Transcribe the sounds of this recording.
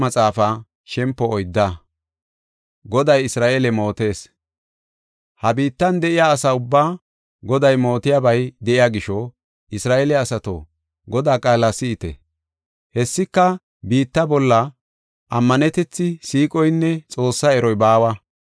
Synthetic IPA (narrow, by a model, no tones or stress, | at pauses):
mɐt͡sʼaːfa | ʃɛmpːɔːjd̪ːa | ɡɔd̪ɐjɪsɾaːʔelɛmo̞ːt̪e̞ːs | hɐbiːt̪ːɐnd̪ɛʔɪjaːsaʊbːaː | ɡɔd̪ɐjmo̞ːt̪ɪjabɐjd̪ɛʔɪjaɡɪʃɔ | ʔɪsɾaːʔeːlɛɐsɐt̪o̰ | ɡɔd̪aːkʼaːlːɐsɪːt̪ɛ̰ | hɛsːɪkːɐ | biːt̪ːɐbɔlːɐ | ʔɐmːɐnɛt̪ɛt͡sːɪsiːkʼɔjnːɛt͡sʼo̞ːsːɐɛɾɔjbaːwɐ